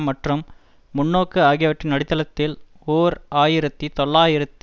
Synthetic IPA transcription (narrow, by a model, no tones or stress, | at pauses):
mːɐʈrɯmː | ʊɳːoːkːɯaːɣɪjɐʋɐʈrɪnɐɽɪt̪ːɐlɐt̪ːɪl | oːɾaːjɪɾɐt̪ːit̪ɔɭːaːjɪɾɐt̪ː